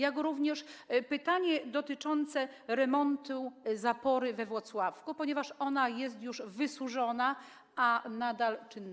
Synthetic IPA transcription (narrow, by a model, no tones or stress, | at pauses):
jakɾuvɲɛʂpɘt̪aɲɛd̪ɔt̪ɘt͡ʂɔnt̪sɛɾɛmɔnt̪uzapɔɾɘvɛvwɔt̪swafkupɔɲɛvaʂɔnajɛst̪juʐvɘsuʐɔna | anad̪alt͡ʂɘnː